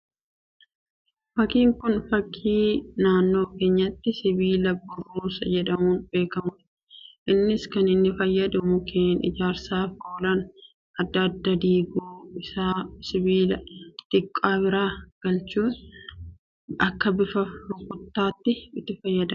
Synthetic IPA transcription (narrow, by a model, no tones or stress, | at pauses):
fɐkiːŋkʊnfɐkʰːiːnaːnːo̞ːke̞ːɲːɐt̪ːɪsɪbiːlɐbʊrːuːsɐd͡ʒɛᶑɐmuːnbe̞ːkɐmʊd̪ɐ̥ | ʔɪnːɪskɐnɪnːɪfɐjːɐd̪ʊmʊkeːnɪ̰d͡ʒaːɾsaːfo̞ːlɐn | ʔɐd̪ːɐːd̪ːɐd̪iːɡuːɪsaːsɪβiːlɐt̪ʼɪkʼːaːbɪɾaːɡ̥ɐlt͡ʃuːn | ɐkːɐbɪfɐfʊkʼʊt̪ːaːt̪ːɪɪt̪ːɪfɐjːɐd̪ɐ